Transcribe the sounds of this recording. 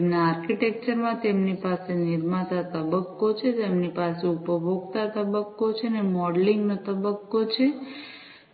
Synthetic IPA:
mnaːɾkiʈek̚t͡ʃəɾmãt̪emnipaseniɾmat̪at̪əbəkːot͡ʃʰet̪emnipaseupəbʱoɡt̪at̪əbəkːot͡ʃʰenemɔɖliŋɡnot̪əbəkːot͡ʃʰe

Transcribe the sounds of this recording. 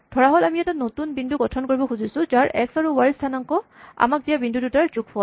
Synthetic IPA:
dʱɔɹaɦɔlamiɛtanotunbindʱuɡɔtʰɔnkoɹibɔxuzisʊ̃zaɹʔɛ̰ksaɹuwaɹistʰanɔŋkɔa̰mak̚dijabindʱudutaɹzuk̚pʰɔ

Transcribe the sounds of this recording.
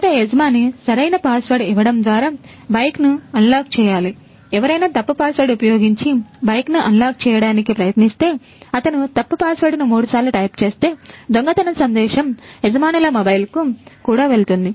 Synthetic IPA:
ɐʈeɛd͡ʒɐmaːnisɐɾɐjnɐpaːsʋɐɾɖiʋɐɽɐmd̪ʋaːɾaː | bɐjknuɐnlaːk̚t͡ʃɛːjaːli | ɛʋɐɾɐjnaːt̪ɐpːupaːsʋɐɾɖupɐjoːɡiɲt͡ʃibɐjknuʔɐnlaːk̚t͡ʃɛːjɐɽaːnikipɾɐjɐt̪nist̪e̞ː | ɐt̪ɐnut̪ɐpːupaːsʋɐɾɖnumuːɽusaːɾlɐʈɐjpt͡ʃeːst̪e̞ːd̪oŋɡɐt̪ɐnɐsɐnd̪ɛːʃɐmɛd͡ʒɐmaːnɐlɐmobɐjlkukuːɽaːʋe̞lt̪und̪i

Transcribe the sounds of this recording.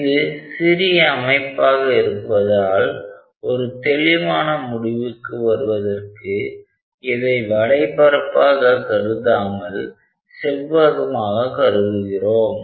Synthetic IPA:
ɪðɯsɪɾɪjɐːmɐɪpːaːɣɐɪɾɯpːɐðaːl | ɔɾɯt̪ɛlɪʋaːnɐmʊɽɪʋɯkːɯʋɐɾɯʋɐðɐrkɯ | ɪðɐɪʋɐɽɐɪpɐɾɐpːaːɣɐkɐɾɯðaːmɐl | sɛlʋaːɣɯmaːɣɐkɐɾɯɣɯɣɪroːm

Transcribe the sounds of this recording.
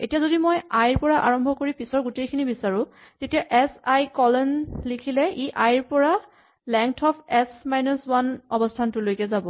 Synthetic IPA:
ḛtijazodimojajɹpɔɹaʔa̰ɹɔmbʱɔkoɹipisɔɹɡutejkʰinibisaɹʊ̃ | tetijaʔɛsajkɔlɔnlikʰilɛʔiʔajɹpɔɹa | lɛŋtʰɔpʰɛsmajnɔswanɔbɔstʰantʊlojkɛzabɔ

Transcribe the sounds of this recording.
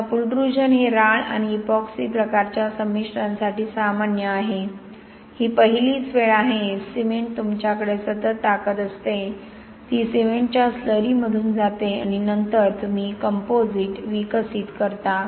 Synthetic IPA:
apulɖɾud͡ʑənɦeɾaɭa̰ñiːpɔksipɾəkaɾt͡ɕjasəmːiʂɾãnsaʈiːsamanjəaɦe | hiːpəɦiliːt͡sʋeɭaɦesimeɳʈ̚t̪umt͡ɕjakəɽesət̪ət̪ːakət̪əst̪e | t̪iːsiʋeɳʈ̚t͡ɕjasləɾiːməd̪ʱuːnd͡zat̪ea̰ɽ̃inənt̪əɾt̪um̤iːkəmpod͡ziʈʋikəsiːt̪kəɾt̪a

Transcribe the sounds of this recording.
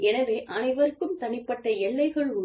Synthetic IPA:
ɛnɐʋeːʔɐnɐɪʋɐɾɯkːɯmt̪ɐnɪpːɐʈːɐɛlːɐɪɣɐɭʊ

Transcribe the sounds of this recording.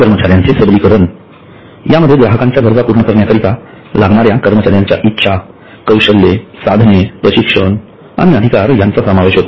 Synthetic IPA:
kəɾmət͡ɕaɾjãnt͡sesəblikəɾəɳ | jaməd̪ʱːjeɡɾaɦəkãɲt͡ɕjad̪ʱəɾd͡zapuɾɳəkəɾɳjakəɾit̪a | laɡɳaɾjakəɾmət͡ɕaɾjaɲt͡ɕja̰ʔitːɕʰa | kəwɕəlːesad̪ʱnepɾəɕikʂəɳ | a̰ɽ̃iəd̪ʱikaɾjant͡sasəmaʋeɕɦot̪o

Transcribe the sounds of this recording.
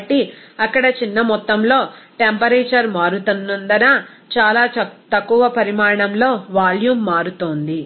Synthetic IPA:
ʈːiɐkːɐɽɐt͡ʃinːɐmɔt̪ːɐmlo̞ːʈempɐɾeːt͡ʃɐɾmaːɾut̪unːɐnd̪ɐnɐ | t͡ʃaːlaːt̪ɐkːuʋɐpɐɾimaːɾɐɳɐmlo̞ːʋaːljuːmːaːɾut̪oːnd̪i

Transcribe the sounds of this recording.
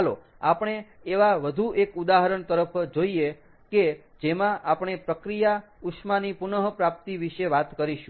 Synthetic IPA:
lo | apɳ̃eː | ʋaʋəd̪ʱuʔekud̪aɦəɾəɳt̪əɾəpʰd͡ʒoie | ke | d͡ʒemãʔapɳ̃epɾəkɾija | ukʃmanipunəɦpɾap̚t̪iʋiʃeʋat̪kəɾiʃũ

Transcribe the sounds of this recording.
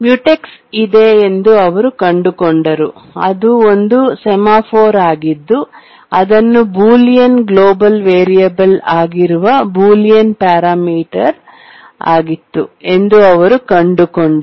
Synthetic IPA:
mjuʈeksid̪eend̪uɐʋɐɾukɐɳɖukoɳɖɐɾuɐ̰d̪uond̪usɛmaːpʰoːɾaːɡid̪ːu | ɐd̪ɐnːubuːlijɐnɡloːbɐlʋeːɾijɐbɐlaːɡiɾuʋɐbuːlijɐnpaːɾaːmiːʈɐɾ | a̰ːɡit̪ːṵe̞nd̪uɐʋɐɾukɐɳɖukoɳɖ

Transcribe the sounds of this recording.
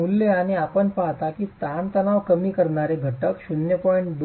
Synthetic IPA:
ulːeañiapəɳpaɦt̪akiːt̪ant̪ənaʋkəmiːkəɾɳaɾeɡʱəʈəkɕunjəpɔiɳʈd̪

